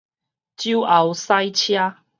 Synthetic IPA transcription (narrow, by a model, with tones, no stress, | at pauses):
t͡ɕju˦ʔa˨˩wsa˦jt͡ɕʰja˦